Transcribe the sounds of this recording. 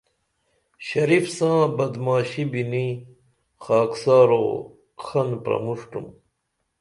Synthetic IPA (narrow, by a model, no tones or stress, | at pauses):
ɕɐɾifsãːbɐd̪maːɕibini | xaːksaːɾo̰ː | xɐnpɾɐ̰muʂʈṵm